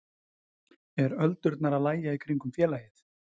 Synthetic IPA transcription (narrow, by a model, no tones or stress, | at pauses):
ɛɾœlt̪ʏɾt̪naɾaðlaːjaikʰɾiŋkʏmfjɛːlaːjɪθ